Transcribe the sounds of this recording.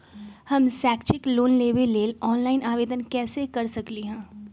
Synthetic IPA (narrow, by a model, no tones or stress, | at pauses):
hɐmsɛːkt͡ʃɪkloːnleːʋelːeːlɔːnlaːɪnaːʋeːd̪ənkɛːsekɐɾsɐkliɦɛ̃ː